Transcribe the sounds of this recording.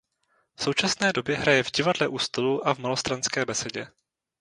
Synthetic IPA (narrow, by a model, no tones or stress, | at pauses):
fso̞wt͡ʃasnɛːdo̞bjɛɦɾajɛvɟɪvadlɛʔust̪oluʔavmalo̞st̪ɾanskɛːbɛsɛɟɛ